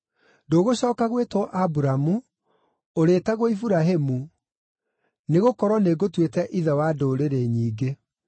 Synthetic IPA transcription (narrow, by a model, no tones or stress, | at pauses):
doːɣoɕɔːkaɣwetwɔʔabuɾamu | oɾetaɣoifuɾaɦemu | neɣokɔɾwɔneɡotwetɛʔiðɛwadoːɾeɾeɲiːɡe